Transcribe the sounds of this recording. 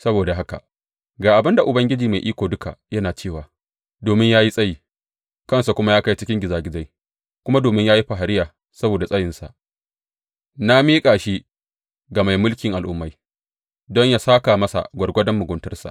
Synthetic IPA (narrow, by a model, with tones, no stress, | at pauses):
sɐ˦boː˨da˨ɦa˦ka̰˨ʔ | ɡaː˨ʔa˨bɪ˦nda˨ʔʊ˨bɐ˦ŋɡʲɪ˦d͡ʒiː˨ma˨jʔiː˦kʷoː˨dʊ˦kʰa̰˨ʔjɐ˦naː˨t͡ʃeː˦˨waː˨ | doː˨mɪ˦ɲjaː˦ji˦sʼɐ˦jiː˨ | kɐ˦˨nsa˨kʷʊ˦ma˦jaː˦ka˦jt͡ʃɪ˦kʲɪ˦ŋɡʲɪ˨zaː˨ɡʲɪ˦za˦j | kʷʊ˦ma˦doː˨mɪ˦ɲjaː˦ji˦ɸa˨ɦa˨ɾɪ˦jaː˨ | sɐ˦boː˨da˨sʼɐ˦jɪ˨nsa̰˨ʔ | na˦miː˦kʼaː˨ʃi˦ | ɡa˨ma˨jmʊ˦lkʲɪ˨ŋʔa˨lʔʊ˦mːa˦j | dɔ˦ɲjaː˦saː˦ka˨mɐ˦sa̰˨ɡʷɐ˨rɡʷɐ˦dɐ˦mːʊ˨ɡʷʊ˦ntɐ˦rsa̰˨ʔ